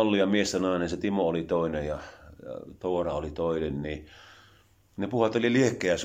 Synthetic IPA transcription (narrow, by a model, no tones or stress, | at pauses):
lːijɑmiest̪ænɑˑenenset̪imoolit̪oˑinejjɑɑ̰t̪oːrɑolit̪oˑinenniː | nepuhɑt̪olʲiliehkːˑeæs